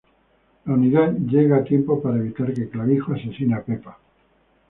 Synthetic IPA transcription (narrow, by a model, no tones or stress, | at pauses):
launiðaðɟ͡ʝe̞ɣaːt̪je̞mpo̞paɾaeβ̞it̪aɾke̞klaβixoase̞sinape̞pa